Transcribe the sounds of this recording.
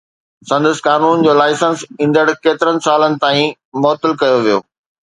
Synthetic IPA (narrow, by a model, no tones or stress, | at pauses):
sɐ̃nd̪əskaːnuːn̆d͡ʑoːlaːɪsə̃nsĩːnd̪əɽkeːt̪ɪɾənɪ̆saːlənɪ̆t̪aːĩ | mɔːt̪əlkɐjoʋijo̰ː